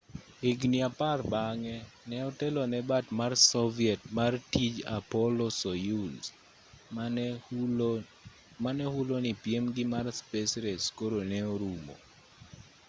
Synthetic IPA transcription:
ɪɡniaparbaŋɛnɛɔtɛlɔnɛbatmarsɔviɛtmartid͡ʒa̰pɔlɔsojuls | manɛhulonipjemɡɪmarspesɾeskoɾonɛɔɾumo̰

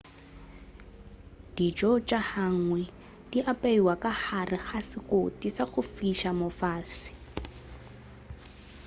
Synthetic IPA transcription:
d̥it͡ʃʼɔt͡ʃʼahaŋwɛ | diʔapʼaiwakaχarɪχasɪkotisaɣʊfiʃamɔfaːsi̥

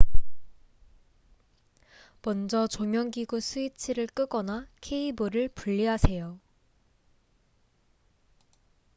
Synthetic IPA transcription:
mʌnd͡ʑʌt͡ɕomjʌŋɡiɡusʰuit͡ɕʰiɾɯɭk͈ɯɡʌnakʰe̞ibɯɾɯɭpuʎːiɦasʰe̞jo

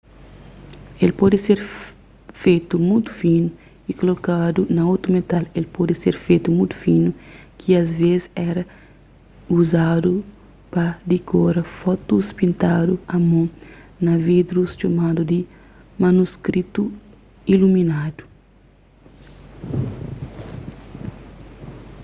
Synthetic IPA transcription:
elpɔd̪iseɾ | fejt̪umũjt̪u̥finu | ikolokad̪unɐot̪ɾumet̪alelpod̪iseɾfejt̪umũjt̪u̥finukʰiɐzvezɛɾɐ | uzad̪u | pɐd̪ikʰoɾɐfɔt̪uspĩnt̪ad̪uɐmõ | nɐvid̪ɾust͡ʃomad̪ud̪i | manuskɾit̪u | iluminad̪u̥

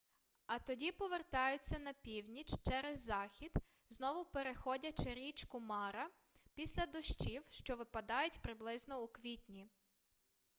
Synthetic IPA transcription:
ɐt̪ɔdʲipɔʋert̪ɑjʊt͡sʲːɐnɐpʲiwnʲit͡ʃt͡ʃɛɾezːɑxʲid̪ | znɔʋʊpeɾexɔdʲɐt͡ʃɪɾʲit͡ʃkʊmɑɾɐ | pʲisʲlʲɐd̪ɔʃt͡ʃiwʃt͡ʃɔʋɪpɐd̪ɑjʊtʲpɾɪblˠɪznɔukʋʲitʲnʲi

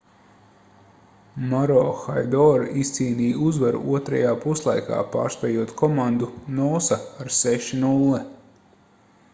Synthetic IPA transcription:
maɾɔːxajd̪ɔɾist̪siːniːuzvaɾṵʔuɔt̪ɾajaːpuslˠajka̰ːpa̰ːɾst̪ɛjuɔt̪kʰɔmand̪unɔːsaaɾseʃinulˠːɛ

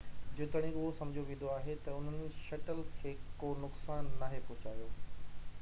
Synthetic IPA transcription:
d͡ʑʊt̪əɽ̃ĩʊɦosɐ̃md͡ʑʱoʋẽːnd̪oaːɦet̪ɐʊn̤ənɪ̆ʃɐʈəlkʰeːkoːnʊksaːnːaːɦepʊɦʊt͡ɕaːijoː

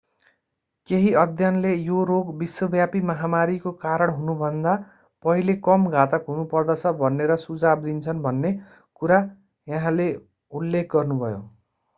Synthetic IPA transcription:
keɦiʌd̪ʱjʌnlejoɾoɡbiswʌbjapimʌɦamaɾikokaɾʌɽɦunubʱʌnd̪a | pʌɦilekʌmɡʱat̪ʌkɦunupʌrd̪ʌt͡sʰʌbʱʌnːeɾʌsud͡zab̚d̪int͡sʰʌnbʱʌnːe | kuɾa | jʌɦãle | ulːekʰɡʌrnubʱʌjo̰

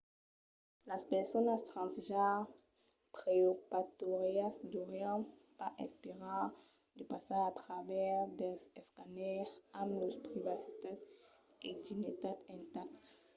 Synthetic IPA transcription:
laspɛʁsɔnast̪χɑ̃sʒa | pχeopat̪ɔʁjasdɔʁjãpaʔɛ̰̃speʁɑ̃ | d̪əpasaat̪χavɛʁd̪ɛɛskanɛʁãmlɔʁpʁivasi̥t̪ad̪ | ed̪init̪ad̪ɛ̃nt̪ak̚t̪

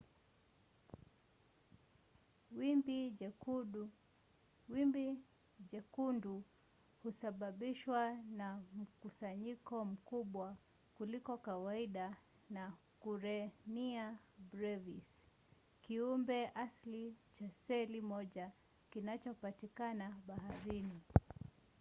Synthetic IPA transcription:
wibi | wibi | ʄɛkundu | husaɓaɓiʃwanam̩kusaɲikɔm̩kuɓwa | kulikɔkawaiɗa | na | kuɾɛnia | bɾɛvis | kiumbɛʔaslit͡ʃasɛlimɔʄa | kinat͡ʃɔpatikanaɓaɦaɾini

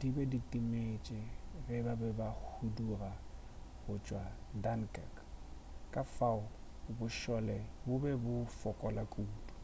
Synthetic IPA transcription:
d̥ibɛditʼimet͡ʃʼɪrɪbabɛbahudura | ɣʊt͡ʃʼwadankʼɛ̰k | kʼafaʊ | bʊʃɔlɛbʊbɛbʊfɔkʼɔlakʼuːdu̥

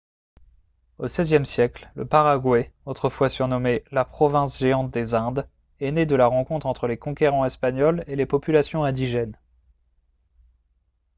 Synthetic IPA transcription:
osɛzjɛmsjɛkllə̰paʁaɡwɛot̪χəfwasyʁnɔmelapχɔvɛ̃sʒeɑ̃t̪̚d̪ezɛ̃d̪ | ɛned̪əlaʁɑ̃kɔ̃t̪χɑ̃t̪χəlekɔ̃kʲeʁɑ̃ɛspaɲɔlelepɔpylasjɔ̃ɛ̃d̪iʒɛn

